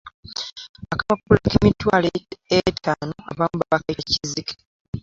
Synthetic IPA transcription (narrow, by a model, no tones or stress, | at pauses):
akaβakulakimitwaleetanoa̰βamubaβakecizike̥